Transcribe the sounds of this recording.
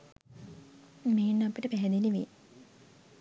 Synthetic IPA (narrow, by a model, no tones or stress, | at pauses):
meːnːapiʈəpæɦɛd̪iliʋḛ